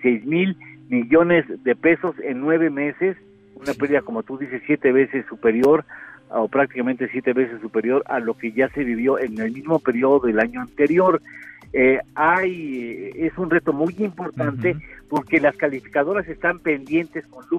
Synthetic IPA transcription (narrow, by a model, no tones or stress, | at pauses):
sejzmilmiʝo̞ne̞zðe̞pe̞so̞se̞nːwe̞βe̞me̞se̞s | unape̞ɾðiðako̞mo̞t̪uðise̞sːje̞t̪e̞βe̞se̞sːupe̞ɾjo̞ɾopɾak̚t̪ikament̪e̞sje̞t̪e̞βe̞sesːupe̞ɾjo̞ɾa̰lo̞ke̞ʝase̞βiβ̞jo̞ʔe̞ne̞lmizmo̞pe̞ɾjo̞ðoðe̞laɲoant̪e̞ɾjo̞ɾeajesunre̞t̪o̞mujimpo̞ɾt̪ant̪e̞po̞ɾke̞laskalifi̥kaðo̞ɾase̞st̪ampe̞nd̪je̞nt̪e̞sko̞nlu